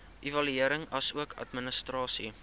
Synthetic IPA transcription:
ʔivɐlyiəɾəŋɐsuəkʰɐ̰tmənəstrɑːsi

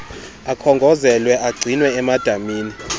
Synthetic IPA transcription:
akʰɔŋɡʱɔzɛlwɛʔaɡ͡ǀʱinwɛːmad̥ʱamiːni

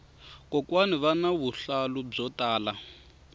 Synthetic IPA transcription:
kɔkwaniβanaβuɬalub͡ʐɔtaːla

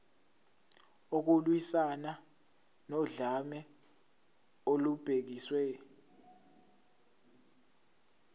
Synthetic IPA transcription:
ok̬ulwisana | nɔɮamɛ | olub̥ʱek̬iswɛ

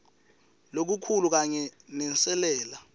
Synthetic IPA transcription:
lok̬ukʰuluk̬aɲɛnɛnt͡sʼɛlɛːla

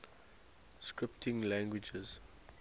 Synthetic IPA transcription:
skɹɪp̚tʰɪ̃ŋlãŋɡwɪd͡ʒəz̥

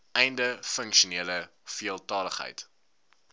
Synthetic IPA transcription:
ʔɛjndəfəŋkʃuniələfiəlˠtɑːləχɦə̰jt

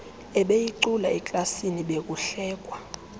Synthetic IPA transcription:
ɛɓejiǀulaɛkʼlasiniɓek̬uɬɛːk̬ʼwa

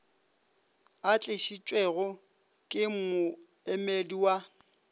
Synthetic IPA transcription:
at͡ɬʼɪʃit͡ʃʼwɛɣɔ | kʼɪmʊ | ɛmediwa

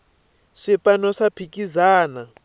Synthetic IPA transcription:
ʂɛpʼanɔʂapʰikʼizaːna

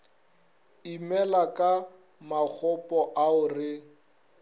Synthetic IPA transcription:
imɛlakʼa | mak͡xʰɔpʼɔʔaʊrɪ

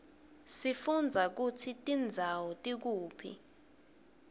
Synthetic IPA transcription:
sifund͡zʱak̬ut͡sʰitʼind͡zʱawɔtʼik̬uːpʰḭ

